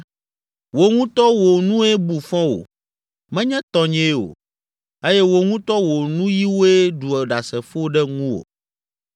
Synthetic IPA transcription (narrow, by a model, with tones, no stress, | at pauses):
wo˨ŋũ˦t̪ɔ˦wo˨nũ˦e˦bu˨fɔ̃˦wo̰˨ | mɛ̃˦ɲɛ̃˦t̪ɔ˦ɲɛ̃˦o̰˨ | e˦jɛ˦wo˦ŋũ˦t̪ɔ˦wo˨nũ˦ji˦wo˦e˦ɖu˨e˨ɖa˨sɛ˨fo˦ɖɛ˦ŋũ˦wo̰˨